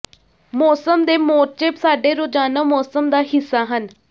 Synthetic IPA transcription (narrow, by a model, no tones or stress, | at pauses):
mɔːsəmd̪eːmoːɾ̚t͡ʃeːpsaːɖeːɾod͡ʒaːnaːmɔːsəmd̪aːɦɪsːaːɦən